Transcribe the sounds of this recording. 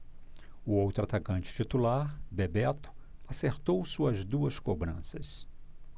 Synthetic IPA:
ʊowt̪ɾat̪akɐ̃nt͡ʃɪ̥t͡ʃit̪ulaɾbebɛt̪ʊ̥aseɾt̪owsuɐzd̪uɐskobɾɐ̃sɐs

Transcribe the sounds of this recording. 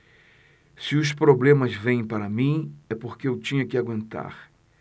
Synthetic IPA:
sɪʊspɾoblẽmɐzvẽj̃paɾɐmĩɛpoɾkeewt͡ʃĩɲɐkɪaɡwẽnt̪a̰ɾ

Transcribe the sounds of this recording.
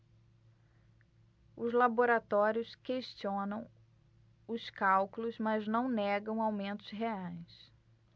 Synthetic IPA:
ʊzlaboɾat̪ɔɾjʊskeʃt͡ʃiõnɐ̃w̃ | ʊskawklʊzmɐznɐ̃w̃nɛɡɐ̃w̃awmẽnt̪ʊsɦeajs

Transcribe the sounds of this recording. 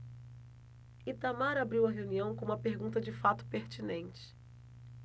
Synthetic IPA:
it̪amaɾabɾiwɐɦeũniɐ̃w̃kõũmɐpeɾɡũnt̪ɐd͡ʒɪfat̪ʊ̥peɾt͡ʃinẽnt͡ʃɪ̥

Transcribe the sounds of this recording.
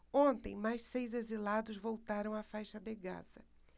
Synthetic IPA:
õnt̪ḛ̃j̃majʃsejzezilad̪ʊzvowt̪aɾɐ̃w̃afajʃɐd̪ɪɡa̰z̥ɐ

